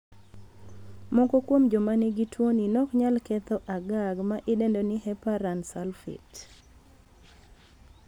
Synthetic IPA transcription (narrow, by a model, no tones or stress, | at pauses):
mɔkokwomd͡ʒɔmanɪɡitʰwoninɔkɲalkɛt̪ɔʔaɡaɡmaʔɪdendonɪhɛpaɾansalfḭt